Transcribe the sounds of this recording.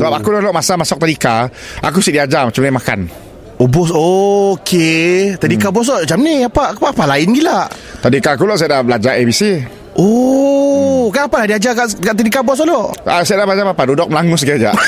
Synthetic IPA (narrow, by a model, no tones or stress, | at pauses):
səbapakulɔlɔʔmasamasɔk̚t̪adikaʔa̰k̬usiʔdiad͡ʒamat͡ʃamnamaka̰n | obɔsokʰet̪adikabɔs̬ɔʔd͡ʒamniapapaapalaɪnɡilaʔ | t̪adikakulɔʔs̬ajadahbəlad͡ʒaʔebisi | ɔ | kanapalahdiad͡ʒakaʔkaʔt̪̬adikabɔs̬ɔʔlɔʔasajadahbəlad͡ʒapapadudɔk̚məlaŋus̬əɡiad͡ʒa̰ʔ